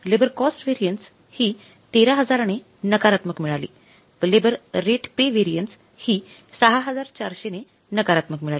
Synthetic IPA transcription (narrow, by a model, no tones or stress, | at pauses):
lebəɾkɔsʈʋeɾijənʈs | hiː | t̪eɾaɦəd͡zaɾne | nəkaɾat̪məkmiɭalḭː | lebəɾɾeʈpeʋeɾijəɳʈs | hiːsəɦaɦəd͡zaɾt͡ɕaɾɕene | nəkaɾat̪məkmiɭali